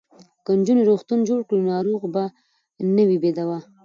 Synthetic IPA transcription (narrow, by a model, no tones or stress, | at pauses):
kənd͡ʒuneɾoxt̪und͡ʒoɽkɽinoaɾuɣba | nəwibed̪awa